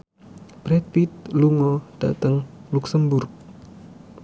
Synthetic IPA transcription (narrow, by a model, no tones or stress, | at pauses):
b̥ɾɛt̪̚wit̪̚luŋɔd̥a̰t̪əŋluksəmbʊrk̚